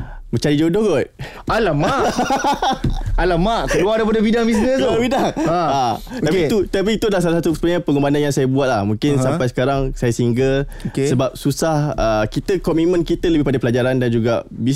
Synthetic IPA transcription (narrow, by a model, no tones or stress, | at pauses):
mə̃ɲt͡ʃaɾid͡ʒodoɡɔt̪̚ | alamaʔ | alamaʔkəluardajpadabidaŋbis̬nə̃bidaŋat̪apkit̪ut̪ap̬iːt̪udalahsalas̬at̪usə̥pəɲãpəŋɡəmbananjaŋsajəbuat̪̚lahmũŋkɪnsampajs̬ə̥kaɾaŋsajasiŋɡəl | okesəbap̚susahəkit̪əkɔmit̪̚mə̃nkit̪ələbɪhpadapəlad͡ʒaɾandand͡ʒuɡa̰bi